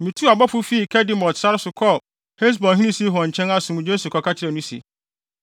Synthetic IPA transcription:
mĩ˨tʰu˦a˨bɔ˦fʊ˦fiː˦˨kʰɛ˦dĩ˨˦mɔ˨tsa˦ɾɪ˦sʊ˨kʰɔ˦ | he˦s̬bɔ̃˨nɦĩ˦nĩ˦si˦ɦɔ̃˨ɲ̩˨t͡ɕʰɛ̃˦na˦sʊ̃˨mʊ̃˨d͡ʑe˦su˨kʰɔ˨kʰa˦t͡ɕʰɪ˦ɾɛ˨nũ˦sḭ˨

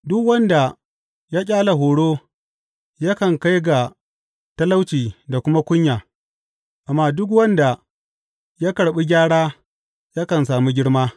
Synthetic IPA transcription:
dʊ˦kwɐ˦nda˨ | jaː˦kʲʼaː˦la˨ɦoː˨ɽoː˦ | ja˦kɐ˨ŋka˦jɡa˨ | tɐ˦la˦wt͡ʃiː˨da˨kʷʊ˦ma˦kʷʊ˦ɲjaː˨ | ʔa˨mːaː˦dʊ˦k̬wɐ˦nda˨ | ja˦kɐ˨ɽɓi˦ɡʲaː˦ɽaː˦ | ja˦kɐ˨ns̬aː˨mi˦ɡʲɪ˦ɽmaː˦

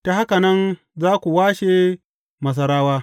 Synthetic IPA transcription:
ta˨ha˦ka˨nɐ˦n | zaː˦kʷu˨waː˦ʃeː˨ | mɐ˨s̬ɐ˨ɾaː˦waː˦

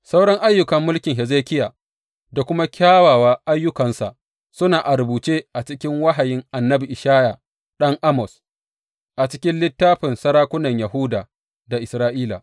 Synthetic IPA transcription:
sa˦wɽɐ˦ŋʔa˦jːʊ˨kɐ˨mːʊ˦lkʲɪ˨ŋɦɛ˨zeː˦kʲɪ˦jaː˨ | da˨kʷʊ˦ma˦kʲaː˦waː˨waː˦ʔa˦jːʊ˦kɐ˨nsa˨ʔ | sʊ˦naː˨ʔa˨ɾʊ˨buː˨t͡ʃeː˦ʔa˨t͡ʃɪ˦kʲɪ˦ŋwa˦ɦa˨jɪ˦ŋʔa˨nːɐ˦bi˨ʔɪ˨ʃaː˦ja˨ | ɗɐ˦ŋʔa˦mɔ˨s | ʔa˨t͡ʃɪ˦kʲɪ˦nlɪ˦tːaː˦ɸɪ˨nsɐ˦ɾaː˦kʷʊ˦nɐ˨ɲja˨ɦʊː˦daː˨ | da˨ʔɪ˨sɾaː˦ʔiː˦la̰ː˨

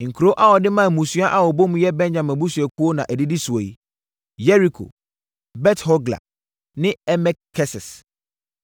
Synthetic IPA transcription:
ŋ̩˨kʰu˨ɾo˦ʔa˦wɔ˨dɪ˦mã˦˨mũ˨su˦a˦ʔa˦wɔ˨bo˦m̃˦jɛ˦bɛ̃˦nd͡ʑã˨mɛ̃˨bu˦su˨ɛ˨kʰu˦o˦nã˨ʔæ˨di˦di˦su˨a˨ji˦ | jɛ˦ɾi˨kʰo̰˨ | bɛ˦thɔ˦ɡla̰˨ | nɪ̃˦ɛ˦mɛ˦kkʰːɛ˦sɛ˨s

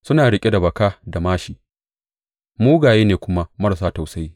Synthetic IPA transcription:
sʊ˦naː˨ɽɪ˦kʲʼe˦da˨bɐ˨kaː˦da˨maː˦ʃiː˨ | muː˦ɡaː˨jeː˦neː˨kʷʊ˦ma˦mɐ˦ɽs̬aː˦ta˨wsa˦ji˦

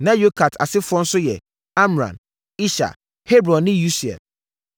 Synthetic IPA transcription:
nã˦jo˦kʰa˨tʰa̰˨sɪ˦fʊ˦ɔ˦n̩˦sʊ˦jɛ̰˨ | a˦m˨ɾã̰˨n | i˦ʃa̰˨ | he˦bɾɔ̃˨nːɪ̃˦ju˦si˨ɛ̰˨

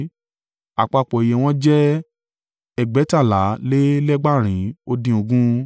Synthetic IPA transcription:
a˨k͡pa˧˨k͡pɔ˨i˨je˨w̃ɔ̃˦d͡ʒɛ˦ | ɛ˦˨ɡ͡bɛ˨˦ta˦˨la˨˦le˦lɛ˦ɡ͡ba˦˨ɾ̃ĩ˨˦o˧dĩ˧o˧ɡũ˦

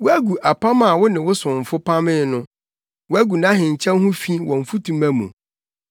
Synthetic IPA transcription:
wʊ˦æ˦ɡu˨ʔa˨pʰa˦mã˨wʊ˦nɪ̃˨wʊ˦sʊ̃˨m̩˨fʊ˦pʰa˦mɪ̃˦nʊ̃˦ | wʊ˦æ˦ɡu˨nã˦ɦɪ̃˨ɲ̩˨t͡ɕʰɛ̃˦n˦hʊ̃˦fi˦wɔ̃˨ɱ̩˨fu˦tʰũ˨mæ̃˦mṵ̃˨

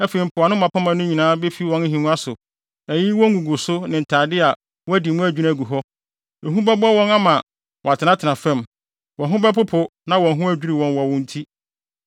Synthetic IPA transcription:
æ˦fe˨ɾi˨m̩˨pʰʊ˨a˨nʊ̃˦mã˨pʰa˦mã˨˦nʊ̃˦ɲi˨nãː˦be˦fi˦wɔ̃˦n˦ɦĩ˨nũ˦a˦sʊ˨ | æ˨ji˦wɔ̃˦ŋ˦ɡũ˨ɡʊ˨sʊ˦nɪ̃˨n̩˨tʰaː˨dɪ˦a˨ | wɔ˦æ˦di˨mʊ̃˦æ˦˨d͡ʑᶣu˦ɾã˦˨ɡu˨ɦɔ˦ | e˨ɦũ˦bɛ˦bɔ˦wɔ̃˦na˦mã˨ | wɔ˨a˨tʰɪ˨nã˦tʰɪ˨nã˨fɛ̃˦m | wɔ̃˨ɦʊ̃˦bɛ˦pʊ˦pʰʊ˨nã˦wɔ̃˨ɦʊ̃˦æ˦d͡ʑᶣu˦ɾi˨wɔ̃˨nwɔ˨wʊ̃˦n̩˦tʰi˦

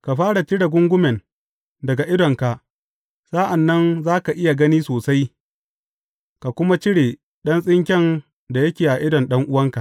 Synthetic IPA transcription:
ka˨ɸaː˦ɽa˨t͡ʃɪ˦ɽa˨ɡʷʊ˦ŋɡʷʊ˦mɛ˨n | dɐ˨ɡa˨ʔɪ˦dɔ˨ŋka˨ʔ | sa˦ʔa˨nːɐ˦nzaː˦ka˨ʔɪ˦ja˨ɡɐ˦niː˦soː˨sa˦j | ka˨kʷʊ˦ma˦t͡ʃɪ˦ɽeː˨ | ɗɐ˦nsʼɪ˦ŋkʲɛ˦˨n | da˨jɐ˦kʲeː˨ʔa˨ʔɪ˦dɔ˨nɗɐ˦ŋʔʊ˦wɐ˦ŋka˨

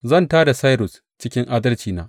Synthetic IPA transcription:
zɐ˦˨ntaː˦da˨sa˦jɾʊ˨s | t͡ʃɪ˦kʲɪ˦ŋʔaː˦dɐ˦lt͡ʃiː˨na̰ː˦ʔ

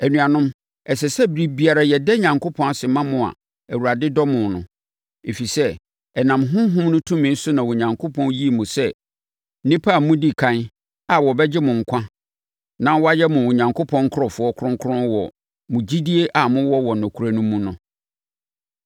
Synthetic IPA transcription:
æ˨nũ˨a˨nʊ̃˦m | ɛ˨sɛ˨sɛ˦bɾi˨bi˨˦a˨ɾa˨jɛ˨dɛ˦ɲã˨ŋkʰo˦pʰɔ̃˦n˨sɪ˨mã˦mʊ̃˨a̰˨ | æ˨wu˨ɾa˨dɪ˦dɔ˦mʊ̃˨nʊ̰̃˨ | e˨fi˨sɛ˦ | ɛ˨nã˨mɦʊ̃˦ɦʊ̃˦mnʊ̃˦tʰũ˦mɪ̃˨˦n̩˦sʊ˦nã˨wɔ˨ɲã˨ŋkʰo˦pʰɔ̃˦nji˦˨mũ˨sɛ˦ | nɪ̃˦pʰa˦˨mʊ̃˦di˦kʰã˦n | a˨wɔ˨bɛ˦d͡ʑɪ˦mʊ̃˨ŋ̩˨kʷʰã˦ | nã˦wɔ˦a˦jɛ˦mʊ̃˨wɔ̃˨ɲã˨ŋkʰo˦pʰɔ̃˦ŋ˦kʰʊ˦ɾɔ˨fʊ˨˦ɔ˦kʰʊ˦ɾʊ̃˦ŋkʰʊ˦ʊ̃˦n˦wɔ̰˨ | mʊ̃˨d͡ʑi˦di˦e˦ʔa˨mʊ̃˦wɔ˦wɔ˨nɔ̃˨kʰu˨ɾa˨nũ˦mːũ˦nʊ̃˦

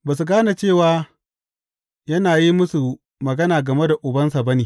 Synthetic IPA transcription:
baː˨s̬u˨ɡaː˦na˨t͡ʃeː˦˨waː˨ | jɐ˦naː˨ji˦mʊ˦su˨ | mɐ˨ɡɐ˦naː˨ɡɐ˨me˦da˨ʔʊ˨bɐ˦nsa˨bɐ˦neː˨

